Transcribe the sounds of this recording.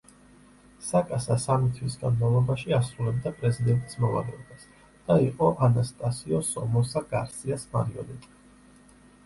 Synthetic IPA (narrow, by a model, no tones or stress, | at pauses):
sakʼasasamit̪ʰwisɡanmavlˠɔbaʃiasɾulɛb̚d̪apʼɾɛzid̪ɛnt̪ʼismɔva̰lɛɔbas | d̪̥aiqʼɔʔanast̪ʼasiɔsɔmɔsaɡ̥aɾsiasmaɾiɔ̰nitʼi̥